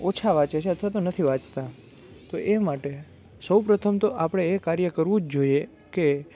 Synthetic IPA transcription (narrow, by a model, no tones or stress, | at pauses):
ot͡ʃʰaʋãt͡ʃet͡ʃʰeət̪ʰʋat̪onət̪ʰiʋãt͡ʃt̪a | t̪oʔemaʈe | səwpɾət̪ʰəmt̪oʔapəɽ̃eekaɾjəkəɾʋũd͡ʒd͡ʒoie | ke